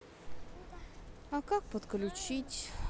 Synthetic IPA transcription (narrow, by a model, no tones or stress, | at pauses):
akak̚pət̪klʲʉt͡ɕitʲ